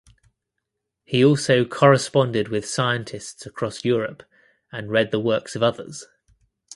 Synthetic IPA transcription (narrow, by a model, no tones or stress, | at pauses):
hiɔˑlˠsəʊkʰɒɹɪspɒ̃ndɪdwɪð̥saɪə̃ntʰɪstsəkʰɹ̥ɒsjɔːɹəp | ə̃nɹɛd̪̚ðəwɜˑksəvʌðə̰z̥